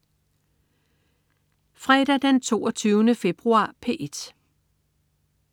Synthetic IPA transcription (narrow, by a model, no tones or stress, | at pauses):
fʁɛd̥æd̥ent͡sʰo̝̰ːɒt͡sʰyːʊnəfe̝b̥ʁuɑ̈ːpʰe̝̰ʔed̥